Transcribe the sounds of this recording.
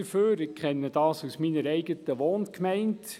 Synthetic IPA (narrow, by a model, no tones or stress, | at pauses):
əføːɾɪkkχɛnːəd̥ɑːsusminəɾɛɪɡət̪əʋoːnkmæɪnt